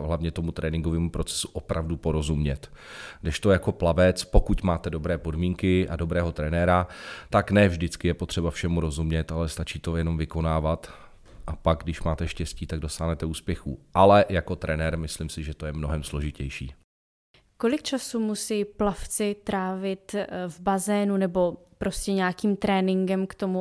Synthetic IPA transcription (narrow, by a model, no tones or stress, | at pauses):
ɦlavɲɛt̪o̞mut̪ɾɛːnɪŋɡovɛːmupɾo̞t͡sɛ̥su̥ʔopɾʔavdupo̞ɾo̞zumɲɛt̪ɡdɛʃt̪o̞jako̞plavɛt͡spo̞kut̪maːt̪ɛdo̞bɾɛːpo̞dmiːŋkɪʔa̰do̞bɾɛːɦo̞t̪ɾɛnɛːɾat̪aknɛvʒdɪt͡skɪjɛpot̪r̝̥ɛbafʃɛmuɾo̞zumɲɛt̪alɛst̪at͡ʃiːt̪o̞jɛno̞mvɪko̞naːvat̪ | ʔapaɡ̚ɡdɪʃmaːt̪ɛʃcɛsciːt̪aɡ̚do̞saːɦnɛt̪ɛuːspjɛxṵːʔalɛjako̞t̪ɾɛnɛɾmɪslɪmsɪʒɛt̪o̞jɛmno̞ɦɛmslo̞ʒɪcɛjʃiː | ko̞lɪk̚t͡ʃasumusiːplaft͡sɪt̪ɾaːvɪt̪vbazɛːnunɛbo̞ | pɾo̞scɛɲaːkiːmt̪ɾɛːnɪŋɡɛmkt̪o̞mu